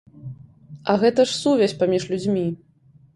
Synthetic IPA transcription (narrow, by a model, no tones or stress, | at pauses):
ɐɣɛt̪ɐʂsuvʲɛsʲpamʲiʂlʲud͡zʲmʲi